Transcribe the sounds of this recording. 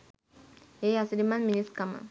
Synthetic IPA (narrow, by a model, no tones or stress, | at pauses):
ejasidimanminiskama̰